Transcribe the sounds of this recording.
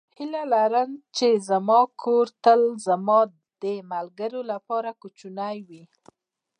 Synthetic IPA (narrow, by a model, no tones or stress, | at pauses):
hilalaɾənt͡ʃezamɑkʰoɾt̪əlzamɑ | d̪̥əmalɡəɾolapɑɾakut͡ʃunajwi